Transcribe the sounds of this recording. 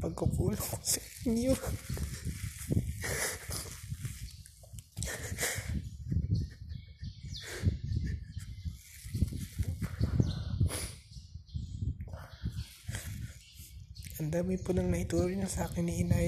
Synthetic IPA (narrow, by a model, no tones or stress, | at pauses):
pɐɡkʊkuːlokosɐʔɪɲo | ʔɐnd̪aːmɪnponɐŋnɐʔɪt̪uːɾɪnɐsɐʔaːkɪnɪʔɪna